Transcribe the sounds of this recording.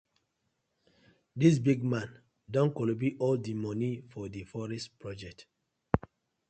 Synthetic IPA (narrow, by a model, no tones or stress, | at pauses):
dis̬biɡ̚mãn | dɔ̃nkɔlɔb̬iʔɔldimɔnifɔdifɔɹɛstpɹɔd͡ʒɛk̚t